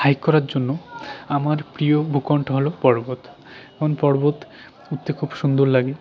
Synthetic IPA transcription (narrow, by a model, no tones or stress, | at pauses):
hajkkːɔɾaɾd͡ʑonːoamaɾpɾijobʱukɔɳʈʰoɦolopɔɾbot̪ | ɛmonpɔɾbot̪ | ut̪ːekʰubʃund̪oɾlaɡe